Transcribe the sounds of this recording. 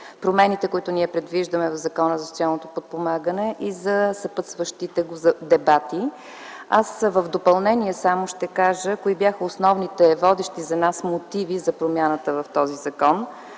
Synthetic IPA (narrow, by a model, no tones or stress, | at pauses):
pɾomɛnit̪ɛkoit̪ʊniɛpɾɛd̪viʒd̪əmɛvɐvzɐkɔnəzɐsot̪ʲialˠnot̪opot̪̚pomaɡənɛʔizɐsɐpət̪svəʃt̪it̪ɛɡozd̪ɛbat̪i | asvəvd̪opɐlˠnɛniɛsamoʃt̪ɛkaʒəkoibjaxəosnɔvnit̪ɛvɔd̪ɛʃt̪izɐnasmot̪ivizɐpɾomjanət̪əvɐft̪ɔzizɐkɔn